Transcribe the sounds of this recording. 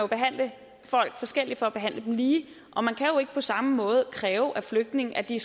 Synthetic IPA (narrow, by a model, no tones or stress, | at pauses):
job̥e̝ɦæn̰lə | fɒ̽l̰ɡ̥fɒ̽sɡ̥el̰i̥fɒ̽æb̥e̝ɦæn̰ləd̥em̩liː | ʔɒ̽mænkʰæjo̝e̝ɡ̥əpʰɒ̽sɑ̈məmɔ̽ːð̞̩ˠkʰʁɛːʊʔæfløɡ̥̚d̥ne̝ŋ̩æd̥is